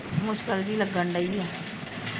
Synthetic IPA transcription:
mʊʃkəld͡ʒiːləɡəɳɖəiiɛː

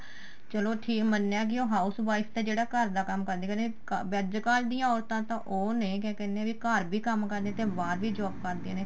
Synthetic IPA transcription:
t͡ʃəloːʈʰiːkmənːaːk̬ɪoːɦaːusbaːɪst̪eːd͡ʒeːɽaːkəɾd̪aːkəmkəɾd̪eːkənekbɛːd͡ʒkaːld̪iːjãːɔːɾt̪ãːt̪ãːʔoːnekɛːkɛːndeãːʋiːkəɾbiːkəmkəɾd̪ẽːt̪eːbaːɾʋiːd͡ʒɔːbkəɾd̪iãːneː

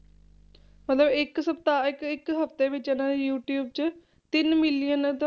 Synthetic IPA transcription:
mət̪ləbɪksəp̚t̪aːɪkɪkɦəpt̪eːʋɪt͡ʃeːnãːd̪eːjuːʈjuːb̚t͡ʃ | t̪ɪnmɪlijənt̪

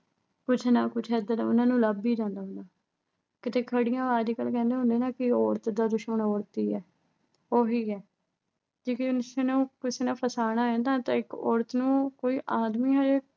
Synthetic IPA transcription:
kʊt͡ʃʰnaːkʊt͡ʃʰɛːd̪əɾʊnãːnũːləbiːd͡ʒãːnd̪aːɦʊ̃nd̪aː | kɪt̪eːkʰəɽɪjãːaːd͡ʒikəlkɛ̃ːnd̪eːɦʊ̃nd̪eːnaːkɪɔːɾət̪d̪aːd̪ʊʃməɳɔːɾt̪iːɛː | oːɦiːɛː | d͡ʒeːkeːnseːnũːkɪseːnaːpʰəsaːɽaːɛ̃ːnd̪aːt̪ãːɪkɔ̰ːɾət̪nũːkoːiːʔaːd̪miːɦɛːe

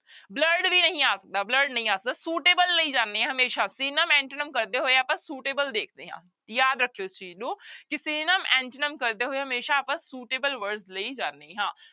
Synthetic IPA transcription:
bləɾɖʋiːnəɦĩːaːsək̚d̪aːbləɾɖnəɦĩːaːsək̚d̪aːsuːʈeːbəlːəiːd͡ʒãːnːẽɦəmeːʃãːsiːnəmɛ̃ːɳʈənəmkəɾd̪eːɦoːeaːpãːsuːʈeːbəld̪eːkʰd̪eːɦã̰ː | jaːd̪ɾəkʰːejoɪst͡ʃiːznũːkɪsiːnəmɛ̃ːɳʈənəmkəɾd̪eːɦoːeɦəmeːʃaːaːpãːsuːʈeːbəlʋəɾɖsləiːd͡ʒaːnːeːɦãː

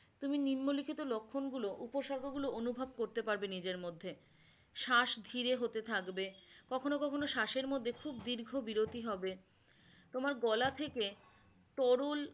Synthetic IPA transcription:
t̪uminiɾmolikʰit̪olokʰːonɡuloʔupoʃɔɾkʰoɡuloonubʱab̚koɾt̪epaɾbenid͡ʑeɾmod̪ʱːe | ʃaʃd̪ʱiɾeɦot̪et̪ʰakbekɔkʰonokɔkʰonoʃaʃeɾmod̪ʱːekʰubd̪iɾɡʱobiɾot̪iɦɔbe | t̪omaɾɡɔlat̪ʰeke | t̪ɔɾol

